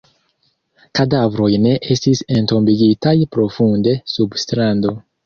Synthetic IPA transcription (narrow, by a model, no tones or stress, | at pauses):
kadavɾo̞jne̞ʔe̞stise̞nto̞mbiɡitajpɾo̞funde̞substɾando̞